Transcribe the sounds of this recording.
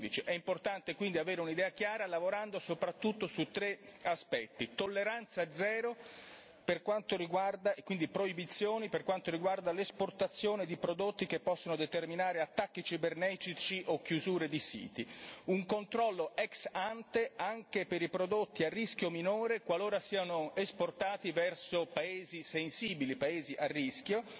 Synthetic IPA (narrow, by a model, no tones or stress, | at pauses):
d̪it͡ʃiʔɛimport̪ant̪ekwind̪iaveːɾeunid̪ɛːak̟jaːɾalavoɾand̪osopɾat̪ːut̪ːosut̪ːɾeaspɛt̪ːit̪olːeɾant̪sad̪zɛːɾo | perkwant̪oɾiɡward̪aekwind̪ipɾoibit̪sːjoːniperkwant̪oɾiɡward̪alesport̪at̪sːjoːned̪ipɾod̪ot̪ːik̟epːɔsːonod̪et̪erminaːɾeat̪ːakːit͡ʃibernɛt̪it͡ʃiʔokːjuzuːɾed̪isḭːt̪iuŋkont̪ɾɔlːoʔɛksant̪eaŋkepeɾipɾod̪ot̪ːiarːiskjominoːɾekwaloːɾasiːanoesport̪aːt̪ivɛrsopaeːzisensiːbilipaeːziʔarːisk̟jo